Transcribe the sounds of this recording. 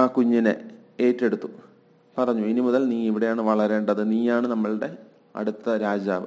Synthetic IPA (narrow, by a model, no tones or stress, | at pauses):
aːkuɲːinɨ̰eːtːe̞ɽut̪ːu | pɐrɐɲːuinimuðɐlniːiʋiɽe̞jaːɳɨʋɐɭɐɾe̞ːɳɖɐðɨniːjaːɳɨnɐmːɐɭɽe̞ | ɐ̰ɽut̪ːɐɾaːd͡ʑa̰ːʋɨ̰